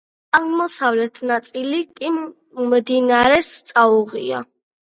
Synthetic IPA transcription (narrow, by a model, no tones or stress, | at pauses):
ammɔsavlɛt̪ʰnat̪sʼilikʼi | md̪inaɾɛst̪sʼauʁia̰